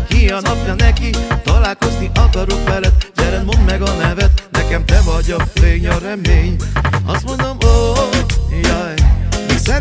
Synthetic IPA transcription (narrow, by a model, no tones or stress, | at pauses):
kijɒnɒpjɒnɛkit̪ɒlaːlko̞zniʔɒkɒɾo̞kʋɛlɛt̪ɟɛɾɛnmo̞nd̪mɛɡɒnɛvɛt̪nɛkɛmt̪ɛvɒɟɒleːɡɲɒɾɛmeːɲɒ̰st̪mo̞nd̪o̞mo | jajiksɛ